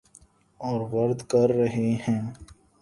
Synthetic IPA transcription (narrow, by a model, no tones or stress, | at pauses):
ɔːɾʋɐɾd̪kɐɾːɐɦeɦɛ̃ː